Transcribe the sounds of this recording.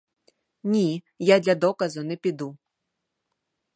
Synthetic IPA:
nʲi | jad̪lʲɐd̪ɔkɐzʊnɛpʲid̪u

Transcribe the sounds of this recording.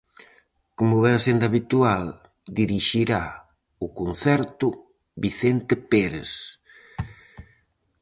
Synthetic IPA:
komʊβɛŋsend̪aβit̪ual | d̪iɾiʃiɾa | ʊkon̟θɛɾt̪ʊ | biθɛnt̪epɛɾḛs

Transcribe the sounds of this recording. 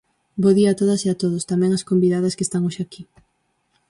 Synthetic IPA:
boðiaːt̪oðɐseat̪oðost̪amɛ̃ŋɐskombiðaðɐskest̪aŋoʃaki

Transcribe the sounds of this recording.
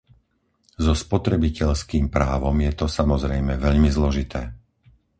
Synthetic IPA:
zɔspɔt̪ɾɛbicɛʎskiːmpɾaːʋɔmjɛt̪ɔsamɔzɾɛjmɛʋɛʎmizlɔʒit̪ʰɛː

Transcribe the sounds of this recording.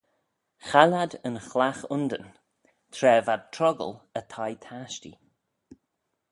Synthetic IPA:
xalad̪ənxlaxʊnd̪ən | t̪ʰɾɛːvad̚tʰɾɔɡə̰lət̪ʰajt̪ʰaʃtḭ

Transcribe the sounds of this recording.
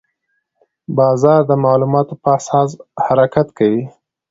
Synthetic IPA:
bɑzɑɾd̪əmɑlumɑt̪opəasɑshaɾakat̪kawi

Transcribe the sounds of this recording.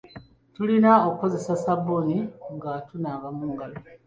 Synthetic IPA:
tulinaokko̞ze̞sasaboniŋɡatunaβamuːŋɡalo

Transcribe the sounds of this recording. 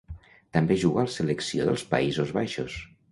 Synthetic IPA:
t̪əmbeʒuɣaləsələksio̰ðəlˠspə̰izozβajʃo̰s

